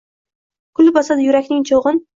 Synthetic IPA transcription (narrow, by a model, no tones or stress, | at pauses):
kʰʊlˠbɒsad̪ɪjʊɾakʲnɪŋt͡ʃʰoʁɨn